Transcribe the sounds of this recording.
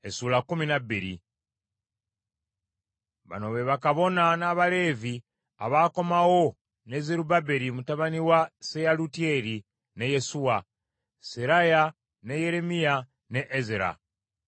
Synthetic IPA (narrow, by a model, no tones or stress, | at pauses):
esuːlakuminabiɾḭ | βa̰no̞βe̞βakaβo̞nanaβale̞ːvi | a̰βaːko̞mawo̞ | ne̞zeɾubabeɾimutaβaniwasejalutie̞ɾi | ne̞je̞suwa | seɾaja | ne̞je̞ɾe̞mija | neʔezeɾa̰